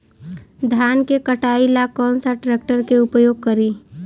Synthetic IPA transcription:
d̪ʱjaːnkekəʈaːilakɔ̃ːnsəɾʈɾeːk̚ʈəɾkeʊpjoːɡ̚kəɾi

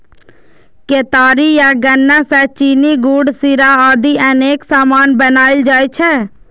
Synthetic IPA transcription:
keːt̪aːɾijaɡɐnːasɛt͡ʃiːniɡuːɖsiɾaaːd̪iəneːksaːmaːnbənaːɪld͡ʒaːit͡ʃʰɛ

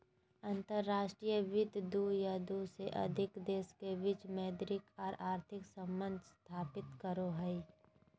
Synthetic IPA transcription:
ɐ̃nt̪əɾːaːʃʈɾijəʋɪd̪d̪ujad̪useʔɐ̰d̪ʱɪkd̪eːskeʋɪt͡ʃmɛːd̪ɾɪkɔːɾaːɾt̪ʰɪksə̃mbə̃nd̪ʱst̪ʰaːpɪt̪kəɾoɦəi

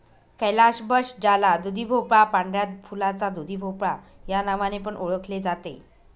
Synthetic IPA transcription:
kɛlaɕbəɕd͡ʑalad̪ud̪ʱibʱopɭapãɳɖɾjat̪̚fʰulat͡sad̪ud̪ʱibʱopɭa | janaʋanep̬əɳʔoɭəkʰled͡zat̪ḛ

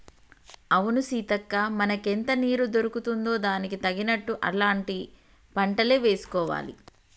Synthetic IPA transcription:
ɐʋunusiːt̪ɐkːaːmɐnɐkent̪ɐniːɾud̪o̞ɾukut̪und̪o̞ːd̪aːnikit̪ɐɡinɐʈːuʔɐ̰laːɳʈi | pɐɳʈɐleːʋe̞ːsu̥kɔːʋa̰ːlḭ

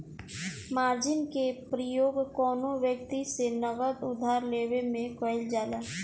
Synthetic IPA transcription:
maːɾd͡ʒɪnkepɾəjoːɡkɔːnõʋjək̚t̪isenəɡəd̪ʊd̪ʱaːɾleːwemẽkɔɪld͡ʒaːlaː

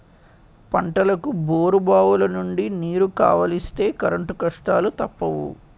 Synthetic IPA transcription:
pɐɳʈɐlɐkuboːɾubaːʋulɐnuɳɖiniːɾuka̰ːʋɐlist̪e̞ːkɐɾɐɳʈukɐʂʈaːlut̪ɐpːɐʋṵ

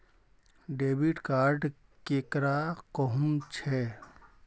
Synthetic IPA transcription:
ɖebiʈkaɾɖ | kekɾakɔɦumt͡ʃʰɛ

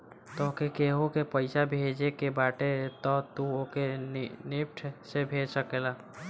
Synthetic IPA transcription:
t̪ɔːkekeːɦõkepəɪsabʱeːd͡ʒekebaːʈet̪ɔːt̪uokenɪpʈʰsebʱeːd͡ʒsəkelaː

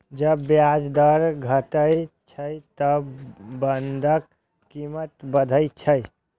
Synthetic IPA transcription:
d͡ʒəbːjad͡ʒd̪əɾɡʱəʈət͡ʃʰəjt̪əbənd̪ʱəkː | imət̪bəd̪ʱəjt͡ʃʰəj

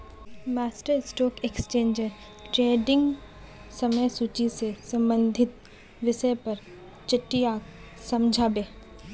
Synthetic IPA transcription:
maːsʈəɾsʈoːkekst͡ʃẽːnd͡ʒe | ʈɾeːɖɪ̃ŋɡ | sɐməjsuːt͡ʃisesɐ̃mbə̃nd̪ʱɪt̪̚ | ʋɪʃəjpɐɾ | t͡ʃɐʈːijaːksɐmd͡ʒʱaːbeː

